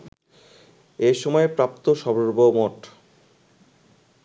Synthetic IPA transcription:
eʃɔmɔepɾap̚t̪oʃɔboɾbomoʈ

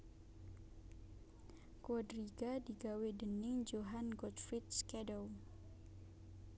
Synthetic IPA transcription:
kɔdɾiɡadiɡawedənɪŋd͡ʒoɦanɡɔt̪fɾit̪̚skɛdɔw

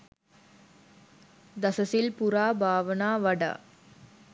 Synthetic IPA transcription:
d̪ɐsɐsɪlpʊɾaːbʱaːʋɐnaːʋɐɽɐ̰

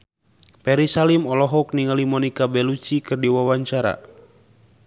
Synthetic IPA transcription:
pɛɾisalimɔlɔɦɔk̚niŋalimɔnikabɛlut͡ʃikɨrdiwawaɲt͡ʃaɾa̰

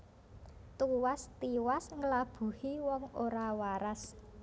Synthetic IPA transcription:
t̪uwast̪iwasŋəlab̥ṳhiwɔŋoɾawaɾas

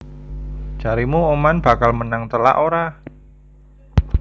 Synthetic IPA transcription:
d͡ʒ̥aɾimuomanb̥a̤kalmənaŋt̪əla̰ʔoɾa

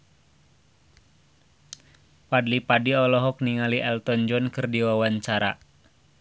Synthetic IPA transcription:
padlipadiɔlɔɦɔk̚niŋaliʔɛlt̪ɔnd͡ʒɔnkɨrdiwawaɲt͡ʃaɾa̰

